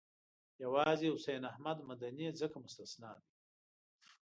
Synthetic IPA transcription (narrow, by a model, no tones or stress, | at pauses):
jawɑːzeʊsejnahmad̪mad̪anid͡zəkamʊst̪asnɑːd̪i